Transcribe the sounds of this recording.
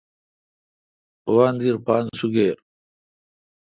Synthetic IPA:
uwaːnd̪iɾpaːnsuɡeːɾ

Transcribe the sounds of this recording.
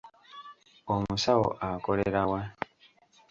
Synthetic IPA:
omusawo̰ʔako̞le̞ɾawa

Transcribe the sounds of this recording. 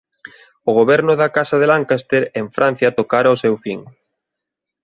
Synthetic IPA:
ʊɣ̞oβɛɾnʊðakasaðelaŋkast̪eɾeɱfɾʔãn̟θjɐt̪okaɾaosewfiŋ

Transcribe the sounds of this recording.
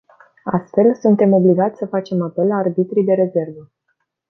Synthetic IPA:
ast̪fe̞lsunt̪e̞mo̞bliɡat̪sʲsəfat͡ʃe̞mape̞lːaːrbit̪ɾid̪e̞ɾe̞ze̞rvə

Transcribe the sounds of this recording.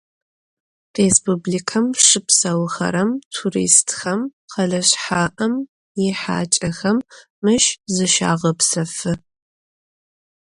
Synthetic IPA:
respʰublikʰɐmʂɨpsɐwxɐ̰ɾɐmtʰurḭːstʰxɐmqʰɐɮɐɕħaːʔɐm | jɪħa̰ːt͡ʃʼɐxɐmː | ɨʃzɨʃa̰ːʁɐpsɐfɨ

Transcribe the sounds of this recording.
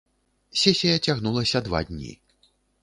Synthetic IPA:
sʲɛsʲijɐt͡sʲaɣnulˠɐsʲɐd̪va̰d̪ʲnʲḭ

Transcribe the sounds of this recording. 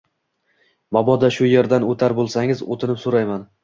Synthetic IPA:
mɒbɒd̪aʃʊjeɾd̪anot̪ʰaɾbolˠsaŋʲɪzo̰t̪ʰɪnɪpsoɾajman

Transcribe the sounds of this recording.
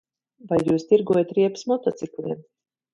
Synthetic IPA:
vajːuːst̪iɾɡuɔjat̪ɾiɛpsmɔt̪ɔt̪siklʲiɛm

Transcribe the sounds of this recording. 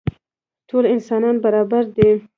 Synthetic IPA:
tʰolɪnsɑnɑnbaɾɑbaɾd̪e

